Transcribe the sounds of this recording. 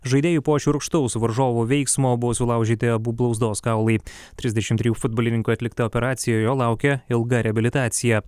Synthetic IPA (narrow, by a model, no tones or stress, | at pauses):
ʒɐɪd̪ʲeːjupoːt͡ʃʲuɾkʃt̪ɐʊsʋɐɾʒoːʋuʋʲɛɪksmoːbʊʋoːsʲʊlˠɐˑʊʒʲiːt̪ʲɪɐbuːblˠɐʊzd̪oːskɑˑʊlˠɐɪ | t̪ʲɾʲɪzʲd̪ʲɛʃʲɪmt̪ʲɾʲɪjuːfʊd̪̚boːlʲɪnʲɪŋkuːɐt̪ʲlʲɪkt̪ɐoːpʲɛɾɑːt̪sʲɪjɛːjoːlˠɑˑʊkʲɛɪlˠɡɐɾʲɛɐbʲɪlʲɪt̪ɑːt̪sʲɪjɛ